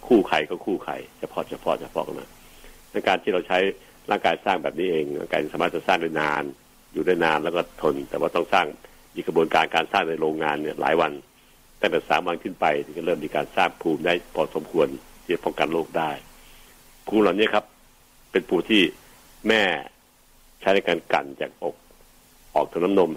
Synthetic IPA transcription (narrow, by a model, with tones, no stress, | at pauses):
kʰuː˥˩kʰa˧˩jkʰɔ˧˩kʰuː˥˩kʰa̰˧˩jt͡ɕʰa˧˩pʰɔ˧˥t͡ɕʰa˧pʰɔ̰˧˥t͡ɕʰa˧˩pʰɔ̰˧˥ka̰˧˩ma̰ː˧˥ | ʔa˧˩ŋkaː˧nt̪iː˧˩a˧wt͡ɕʰa˦˥j | laː˥˩ŋkaː˧jsaː˥˩ŋbɛː˨˩p̚niː˦˥ʔeː˨˧ŋla̰˧ŋkaː˧˩ja˧˩saː˨˦maː˦˥˩t̪̚t͡ɕa˧˩saː˥˩ŋda˥˩jnaː˧n | juː˨˩daː˦˥˩jnaː˧nlɛː˦˧˩kɔː˧˥˩t̪ʰo˧nt̪ɛː˨˩waː˧˩t̪ɔ˥˩ŋsaː˥˩ŋ | miː˧kʰa˧buː˧nkaː˧nkaː˧nsaː˥˩ŋda˧˥˩jɾoː˧ŋːaː˧nːi˧˥˩ɐlʔa̰ː˨˦jwa˧n | t̪aː˥˩ŋt̪ɛː˨˩saː˨˦mwa˧nkʰɯ˥˩npa˧jt̪ʰːkɔː˥˩ɤː˥˩mːiː˧kaː˧nsaː˥˩ŋpʰuː˧mdaː˥˩jpʰɔː˧˩so˨˩˦mkʰu˧ənt̪ʰiː˥˩t͡ɕa˦˩pʰɔ˥˩ŋka˧nloː˥˩k̚daː˥˩j | pʰuː˧mla˨˩wni˦˥˨kʰa˦˥pː | e˧npʰuː˧˩t̪ʰiː˥˩ | mɛː˥˩ | t͡ɕʰa˦˥jna˧˩jkaː˧nka̰˨˩nt͡ɕaː˨˩k̚ʔo˨˩k̚ | ʔɔː˨˩k̚t̪ʰa˧na˦˥mno˧m